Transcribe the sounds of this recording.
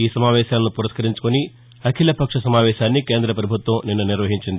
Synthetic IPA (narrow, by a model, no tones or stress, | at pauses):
iːsɐmaːʋɛːʃaːlɐnupuɾɐskɐɾiɲt͡ʃu̥koni | ɐkʰilɐpɐkʂɐsɐmaːʋɛːʃaːnːikeːnd̪ɾɐpɾɐbʱut̪ʋɐmninːuniɾʋɐɦiɲt͡ʃind̪i